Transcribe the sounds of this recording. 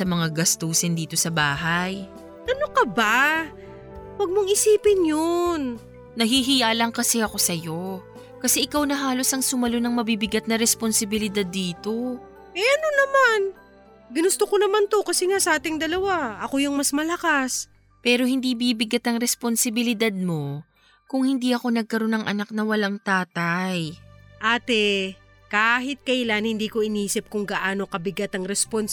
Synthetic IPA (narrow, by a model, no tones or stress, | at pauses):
sɐmɐŋaɡɐst̪uːsɪnd̪iːt̪o̞sɐbaːɦaj | t̪ɐnokɐba | wɐɡ̚moŋɪsiːpɪnjon | nɐɦiɦɪjaːlɐŋkɐsɛɐko̞sɐjo̞ | kɐsɛʔɪkawnɐɦaːlo̞sɐŋsʊmɐlo̞nɐŋmɐbibɪɡat̪̚nɐɾɛsponsɪbɪlɪd̪ad̪ːiːt̪o̞ | ɛʔɐnonɐman | ɡɪnʊst̪okonɐmant̪o̞kɐsɛŋasɐʔaːt̪ɪŋd̪ɐlɐwaʔɐkojʊŋmɐsmɐlɐkas | pɛːɾo̞hɪnd̪ibiːbɪɡat̪ɐŋɾɛsponsɪbɪlɪd̪ad̪̚mo̞ | kʊŋhɪnd̪iʔɐko̞nɐɡ̚kɐɾo̞nɐŋʔɐ̰nak̚nɐwɐlaŋt̪aːt̪ɐjʔaːt̪ɛ | kaːɦɪt̪̚kɐʔlanhɪnd̪iːko̞ʔɪniːsɪp̚kʊŋɡɐʔaːno̞kɐbɪɡat̪ɐŋɾɛspon